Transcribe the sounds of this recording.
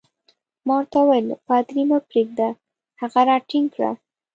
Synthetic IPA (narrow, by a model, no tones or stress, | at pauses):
mɑɾt̪awajlpad̪ɾimapɾeɡ̚d̪a | haɣaɾɑʈiŋkɽa̰